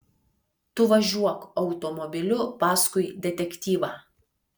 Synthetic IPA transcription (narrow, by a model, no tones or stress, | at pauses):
t̪ʊʋɐʒʲuɔkɐɒʊt̪ɔmɔbʲɪlʲʊpɑːskʊɪd̪ʲɛt̪ʲɛkʲt̪ʲiːʋɑː